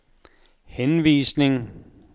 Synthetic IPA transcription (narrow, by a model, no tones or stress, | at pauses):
henʋḭːsne̝ŋ